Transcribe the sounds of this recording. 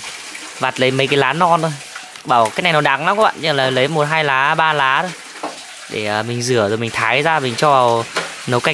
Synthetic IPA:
vaː˨˩t̚lə˨˦jmə˨˦jkaː˨˦jlaː˨˦nɔ˧nt̪ʰo˧j | ɓaː˧˩wkaː˨˦˥k̚na˨˩n˨ɔ˨˩ɗa˨˦ŋla˨˦kːɓa̰ː˧˨nɲɨ˧˩˨laː˨˩lə˨˦jmo˨˩t̚ɦaː˧jlaː˨˦ɓaː˧laː˨˦ɗo˨˦j | ɗe˧˩˨mï˨˩ŋ̟zɨ˧˩əzo˨˩jmï˨˩ŋ̟t̪ʰaː˨˦jzaː˧mï˨˩ŋ̟t͡ɕɔ˧vaː˨˩w | nə˨˩wka˧˩

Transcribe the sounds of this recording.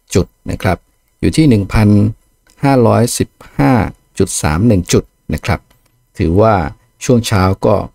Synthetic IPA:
t͡ɕu˨˩t̪̚na̰˥˩kʰɾa˦˥p̚ | jṵː˨˩t̪ʰiː˥˩nɯ˨˩ŋpʰa˧n | haː˥˩ɾɔː˦˥jsi˨˩p̚haː˥˩ | t͡ɕu˨˩t̪̚sa̰ː˩˦mnɯ˨˩ŋt͡ɕu˨˩t̪̚na̰˦˥kʰɾa˦˥p̚ | t̪ʰɯː˩˦waː˥˩ | t͡ɕʰu˥˩əŋt͡ɕʰaː˦˥wkɔː˥˩

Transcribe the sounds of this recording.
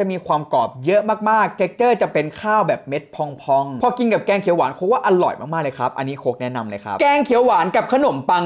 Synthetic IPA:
t͡ɕa˨˩ʔmiː˧kʰwaː˧mkɔː˨˩p̚jɤ˦˥ʔmaː˥˩k̚maː˥˩k̚t̪ʰe˦˥k̚t͡ɕɤː˥˩t͡ɕa˨˩pe˧nkʰaː˥˩wbɛː˨˩p̚me˦˥t̪̚pʰɔ˧˩ŋpʰɔ˧ŋpʰɔː˧ki˧nka˨˩p̚kɛː˧ŋkʰi˩˦waː˩˦nkʰo˦˥k̚waː˥˩ʔa˧lɔ̰˨˩jmaː˥˩kmaː˥˩lɤː˧jkʰɾa˦˥p̚ʔa˧nːiː˦˥kʰoː˦˥k̚nɛ˦˥na˧mlɤː˧jkʰɾa̰˦˥p̚kɛː˧ŋkʰi˨˩˦waː˩˦nka˨˩p̚kʰa˧no˨˩˦mpa˧ŋ

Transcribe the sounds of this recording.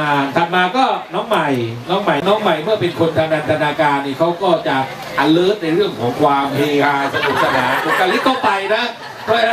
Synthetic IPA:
a˧t̪ʰa˨˩t̪̚maː˧kɔː˥˩nɔː˦˥ŋma˨˩jnɔː˦˥ŋma˨˩jnɔː˦˥ŋma˨˩jmɯ˥˩ɐpe˧nkʰo˧nt̪ʰa˧naː˧nt̪ʰa˧naː˧kaː˧nːiː˥˩kʰa˦˥wkɔː˥˩t͡ɕa˨˩ | ʔa˨˩lɤː˦˥t̪̚na˧jɾɯ˥˩əŋkʰɔː˩˦kʰwaː˧mheː˧kaː˧jsa˧du˨˩k̚sa˧naː˩˦nʔo˨˩kːa˧li˦˥t̪̚kːɔː˥˩pa˧jna˦˥ | pʰɾɔ˦˥˧na˦˥

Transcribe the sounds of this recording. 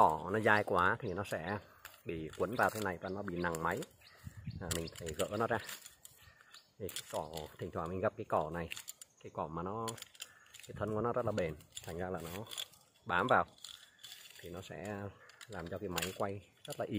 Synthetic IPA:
ɔ˧˩nɔ˨˦zaː˧jkwaː˨˦t̪ʰi˨˩nɔ˨˦sɛ̰˧˥ɓḭ˧˨kwə˨˦nvaː˨˩wt̪ʰna˨˩jvaː˨˩nɔ˨˦ɓḭ˧˨na˨˩ŋma˨˦j | maː˨˩mï˨˩ŋ̟t̪ʰə˨˦jɣə̰ː˧˥nɔ˨˦zaː˧ | t̪ʰi˨˩kaː˨˦jkɔ˧˩t̪ʰï˨˩ŋ̟t̪waː˧˩mï˨˩ŋ̟ɣa˨˩p̚kaː˨˦jkɔ˧˩na˨˩jkaː˨˦jkɔ˧˩maː˨˩nɔ˨˦ | kaː˨˦t̪ʰə˧nkɔ˨˦nɔ˨˦zə˦˥t̚laː˨ɓe˨˩nt̪ʰa˨˩ŋzaː˧laː˨˩nɔ˨˦ | ɓaː˨˦mvaː˨˩w | t̪ʰi˨˩nɔ˨˦sɛ̰˧˥laː˨˩mt͡ɕɔ˧kaː˨˦jma˨˦jkwa˧jzə˦˥t̚laː˨˩ʔi˧˦

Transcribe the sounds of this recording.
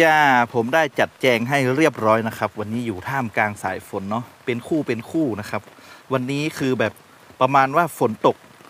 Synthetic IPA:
jaː˧˩pʰo˩˦mda˥˩jt͡ɕa˨˩t̪̚t͡ɕɛː˧ŋɦa˥˩jɾi˥˩əp̚ɾɔː˦˥jna˦˥kʰa˦˥p̚wa˧nːiː˦˥juː˨˩t̪ʰaː˥˩mkaː˧ŋsa̰ː˩˦jfo˩˦nːɔ˦˥pe˧nkʰuː˥˩pe˧nkʰuː˥˩na˦˥kʰa˦˥p̚wa˧nːiː˦˥kʰɯː˧bɛː˨˩p̚ː | ɾa˧maː˧nwaː˥˩fo˩˦nt̪o˨˩k̚

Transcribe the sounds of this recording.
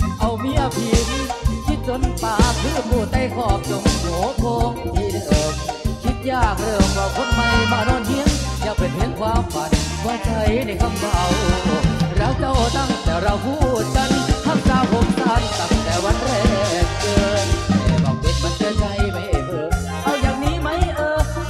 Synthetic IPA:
ʔa˧˩wmiː˧˥ʔa˧pʰiː˧˩mi˧˥˧kʰi˧˥t̪̚so˧˥npaː˧˩pʰɯː˧˥˩kuː˧˩t̪ːa˧˩jkʰɔː˧˩p̚so˨˦ŋhoː˨˦p̪ʰo˧ŋpiː˧˩˧ʔɤː˨˧˩mkʰi˧˥t̪̚jaː˧˩k̚ɾɤː˧˩mwaː˧˩kʰo˧˥nma˧jbaː˧˩nɔː˧˩nmi˧˥˨əŋja˧˩pe˨˩nhe˧˥nkʰwaː˧mfa˨˩nwaː˧˩t̪ʰa˧jna˧˩jkʰa˧˩mk̪ʰaː˧˩wʔʔːɾaː˧˩t͡ɕa˧wt̪a˧˩ŋt̪ɛː˨˩ɾa˧˩wkuː˧˥˩t͡ɕa˧˩nt̪ʰa˧˥˩ŋsaː˧˩wkʰo˧˥mt̪a˧˩ŋ̚t̪a˨˧˩ŋt̪ɛː˨˩wa˧˥˨nɾɛː˧˩k̚ʔɤː˧ɛː˨˧˩ma˧˩ŋpe˧˩nka˧˥˦ntɯ˧ət͡ɕa˧jma˧˦˥jʔtɤː˧˩ | ʔa˧˩wt͡ɕaː˨˩k̚niː˨˦˥ma˦˥jʔɤː˧

